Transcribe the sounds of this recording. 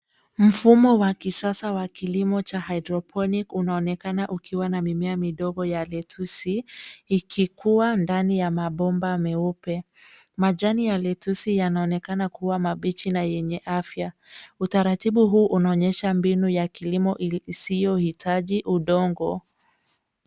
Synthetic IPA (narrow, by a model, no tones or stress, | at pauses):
m̩fumɔwakisasawakilimɔt͡ʃahajdɾɔpʰɔnikunaɔnɛkanaʔukʰiwanamimɛamiɗɔɡɔjalɛtʰusiː | kʰikuwandanijamaɓɔmbamɛupɛ | maʄanijalɛtusijanaɔnɛkanakuwamaɓit͡ʃinajɛɲɛʔafjautaɾatiɓuɦuːʔunaɔɲɛʃambinujakilimɔʔisijɔhitʰaʄiʔuɗɔŋɡɔ